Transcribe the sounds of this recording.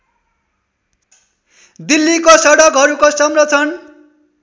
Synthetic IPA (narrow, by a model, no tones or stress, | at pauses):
d̪ilːikosʌɽʌkɦʌɾukosʌmrʌt͡sʰʌn